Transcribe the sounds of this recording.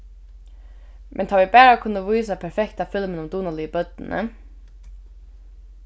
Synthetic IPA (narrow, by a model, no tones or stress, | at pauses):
mʔɛ̰nt̪ʰaːʋɪbæːɹakʰʊnːəʋujsapʰɛɹfɛkt̪afɪlmənʊmd̪uːnalɪəbœt̪̚nɪnə̰